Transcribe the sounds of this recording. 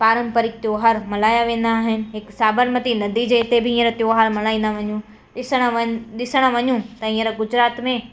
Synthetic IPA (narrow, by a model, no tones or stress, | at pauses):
paːɾə̃mpəɾɪk̚t̪joːɦaɾmɐlaːjaʋẽːn̆d̪aːɦɪnɪ̆ɦɪksaːbəɾmət̪inɐd̪id͡ʑeɪt̪ebʱɪĩːə̃ɾət̪joːɦaːɾmɐlaːĩːn̆d̪aʋɐɲũ | sɽ̃ɗɪsəɽ̃əʋɐɲũt̪ɐĩːə̃ɾəɡʊd͡ʑɾaːt̪mẽ